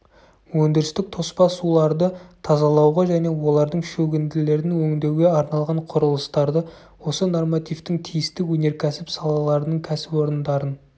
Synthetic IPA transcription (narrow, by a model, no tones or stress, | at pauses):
wɵnd̪ɪɾɪst̪ɪk̚t̪ʰo̞spɑsulˠɑɾd̪ət̪ʰɑzɑlˠɑwʁɑʒæne̞wo̞lˠɑɾd̪əɴʃɵɡʲɪnd̪ɪle̞ɾɪnwɵŋd̪e̞wɡʲe̞ɑɾnɑlˠʁɑɴqʰʊɾəlˠəst̪ɑɾd̪ə | wo̞səno̞rmat̪ijft̪ɪŋt̪ʰijɪst̪ɪwɵne̞ɾkʲʰæsɪpsɑlˠɑlˠɑɾənəɴkʲʰæsɪpo̞ɾənd̪ɑɾən